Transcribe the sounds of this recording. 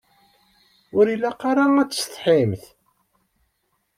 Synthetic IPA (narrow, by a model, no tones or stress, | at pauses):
ʊɾilːæqɑɾaŋæt͡sːst̪ˤħimθ